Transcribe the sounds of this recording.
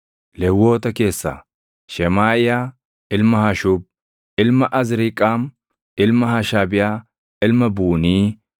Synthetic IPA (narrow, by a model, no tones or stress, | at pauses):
lɛwːo̞ːt̪ɐke̞ːsːa̰ | ʃɛmaːʔɪjaː | ɪlmɐhɐʃʊb̚ | ɪlmɐʔɐzɾɪkʼːaːm | ɪlmɐhɐʃaːbɪjaː | ɪlmɐbuːniː